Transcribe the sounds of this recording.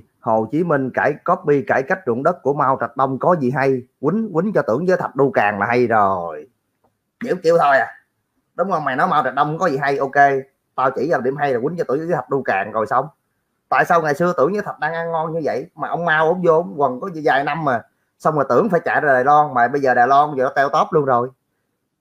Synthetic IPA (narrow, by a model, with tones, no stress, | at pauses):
ho˨˩t͡ɕi˨˦mi˧ŋ̟kaː˧˩jkɔ˦˥p̚ɓi˧kaː˧˩jka˦˥k̚zṵ˧˨nɗə˦˥t̚kːu˧˩əma˧wt͡ɕa˨˩t̚ɗə˧wŋ͡mkɔ˨˦zi˨˩ɦa˧jwï˨˦ŋ̟kwï˨˦ŋ̟t͡ɕɔ˧t̪ɨ̰˧˩əŋzəː˨˦jt̪ʰə˨˩t̚ɗu˧kaː˨˩ŋlaː˨˩ha˧jzo˨˩j | ɲḭ˧˩əwŋ͡mt͡ɕi˧əwt̪ʰo˧jʔaː˨˩ | ɗʊ˨˦wŋ͡mɔ˨˩jmaː˨˩nɔ˨˦jma˧wt͡ɕa˨˩ɗə˧wŋ͡mkɔ˨˦zi˨˩ɦa˧jʔo˧ke˧ | t̪aː˧wt͡ɕḭ˧˩zaː˧˩wɗi˧˩əmɦa˧jla˨˩wï˨˦nt͡ɕɔ˧t̪ɨ̰˧˩əŋzzə˦jt̪ʰə˨˩t̚ɗu˧kaː˨˩ŋzo˨˩jsa˧wŋ͡m | t̪a̰ː˧˨jsaː˧wŋaː˨˩jsɨ˧ət̪ɨ˧˩əŋzə˨˦jt̪ʰə˨˩t̚ɗaː˧ŋʔaː˧ŋŋɔ˧nɲɨ˧və̰˧˨jmaː˨˩ʔə˧wŋ͡mmaː˧wʔo˨˦ŋ͡mzo˧˦ŋ͡mwə˨˩nkɔ˨˦zi˧˨zaː˨˩jna˧mːaː˨˩ | sa˧wŋ͡mlaː˨˩t̪ɨ˧˩əŋfaː˧˩jt͡ɕa̰ː˧˨jɗaː˧˨˩ɗaː˨˩lɔ˧nmaː˨˩ɓə˧jzəː˨˩ɗaː˨˩jlɔ˧zə˨˩˨t̪ɛ˧wt̪o˦˥t̚lu˧ənzo˨˩j